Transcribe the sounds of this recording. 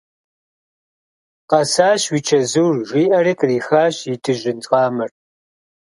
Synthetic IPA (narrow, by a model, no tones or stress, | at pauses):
qɐsaːʃwiːt͡ʃʰɐzuːrʒʷiːʔɐrikʼriːxaːɕjitʰɨʒɪnt͡sʼqɑːmɨr